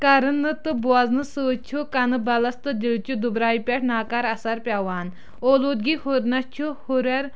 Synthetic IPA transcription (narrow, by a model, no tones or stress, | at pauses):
kɐɾɨnːɨt̪ɨbuɐznɨsɨːt͡ʃʰukɐnɨbɐlɐst̪ɨd̪ʲilt͡ʃud̪ubɾaːipʲeʈʰnaːkɐɾɐsɐɾpʲawaːn | oːluːd̪̚ɡihuɾnɐt͡ʃʰuhuɾeɾ